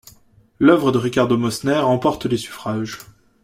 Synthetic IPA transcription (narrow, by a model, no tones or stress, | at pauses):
lœvʁəd̪əʁikaʁd̪omɔsnɛʁɑ̃pɔʁt̪əlesy̥fχaːʒ